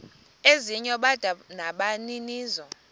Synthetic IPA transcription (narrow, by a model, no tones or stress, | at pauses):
eziɲɔɓad̥ʱanaɓaniniːzɔ